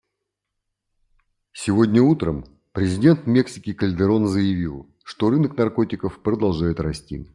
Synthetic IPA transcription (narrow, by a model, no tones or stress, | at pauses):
sʲɪvo̞dʲnʲəut̪ɾəm | pɾʲɪzʲɪdʲe̞nt̪mʲeksʲɪ̥kʲɪkəlʲd̪ɨɾo̞nzəjɪvʲilˠ | ʂt̪o̞ɾɨnəknɐrko̞tʲɪkəfpɾəd̪ɐlˠʐajɪt̪rɐsʲtʲḭ